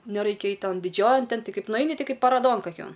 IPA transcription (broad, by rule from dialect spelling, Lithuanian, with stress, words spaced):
nʲɛˈrɐɪkʲɛ ˈɐɪtʲ ˈtoːn dʲɪˈd͡ʒʲoːjɛn ˈtʲɛn ˈtʲɪ ˈkɐɪp nʊˈɐɪnʲɪ ˈtʲɪ ˈkɐɪp pɐˈroːdoːn kɐˈkʲoːn